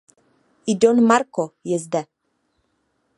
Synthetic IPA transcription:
idonmaɾkojezd̪a

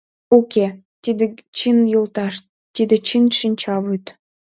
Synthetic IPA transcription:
oke | t̪id̪et͡ɕinjolt̪ɑʃt̪ːid̪et͡ɕinʃinʲt͡ɕɑvyt̪

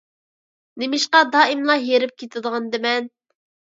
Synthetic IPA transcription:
nemɪʃqɑd̪ɑːimlˠɑjeɾɪp̚kʲʰet̪ʰɪd̪əʁɑnd̪ɨmɛn

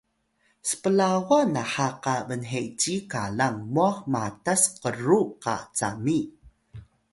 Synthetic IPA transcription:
sə̥pəlawanaħaqavənɦeʔt͡ɕikalaŋmuaxmatasqəɾuqa̰t͡sa̰mi

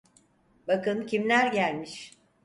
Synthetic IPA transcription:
bakɯncʰimlʲæɾɟælʲmiʃ

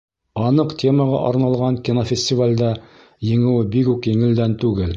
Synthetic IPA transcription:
ɑnɤqtʲʰe̞məʁɑ̰ʔɑɾnɑlˠʁɑŋkʲinofʲɪsʲtʲɪvalʲd̪ɑ | jɘ̆ŋɘ̆wɘbikʉkjɘ̆ŋɘ̆ld̪ænt̪ʉɡɘl

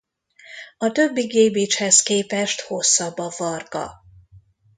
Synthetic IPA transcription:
ɒt̪ø̞bːiɡeːbit͡ʃhɛskeːpɛʃt̪ho̞sːɒbːɒvɒrɡɒ̰

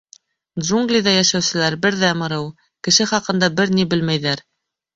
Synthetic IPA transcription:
d̪ʒuŋɡlʲiðɑjæʃæwsɘ̆læɾbɘɾðæmɤ̆ɾɤw | kɘ̆ʃɘχɑqɤ̆nd̪ɑbɘɾnibɘlmæjðæɾ

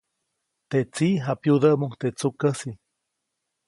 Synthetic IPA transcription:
t̪eʔt͡siʔɦapjud̪əʔmukt̪eʔt͡sukəsi

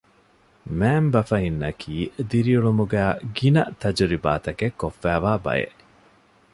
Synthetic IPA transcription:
mæːmbɐfɐɦinːɐkʰiːd̪iɾiuɭumuɡæːɡinɐt̪ɐd͡ʒuɾiba̰ːt̪ɐkekːofːæːʋaːbɐ̰jḛʔ

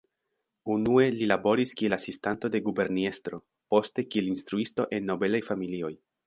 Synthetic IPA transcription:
unue̞lilabo̞ɾiskie̞lasistanto̞de̞ɡube̞ɾnie̞stɾo̞ | po̞ste̞kie̞linst̪ɾuisto̞ʔe̞nːo̞be̞lajfamilio̞j

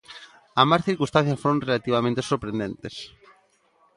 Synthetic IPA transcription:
asmasθiɾkust̪ã̟θjasfoɾõŋrelat̪iβamẽnt̪esoɾpɾẽnd̪ent̪es

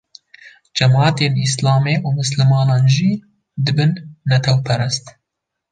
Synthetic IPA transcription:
d͡ʒɛmɑːt̪eːnislɑːmeːʔuːmɨslɨmɑːnɑːnʒiː | d̪ɨbɨnːɛt̪ʰɛwpʰɛɾɛst̪

